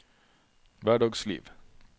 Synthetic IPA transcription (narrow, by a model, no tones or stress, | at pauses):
væːɖɑːɡslḭːv